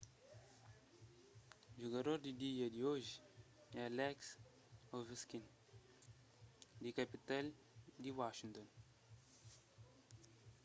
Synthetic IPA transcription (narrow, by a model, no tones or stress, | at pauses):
d͡ʒuɡɐɾoɾd̪id̪ijɐd̪ioːʒ | ɛlɛks | oviskin | d̪ikɐpit̪ɐl | d̪iwaːʃiŋt̪ɔn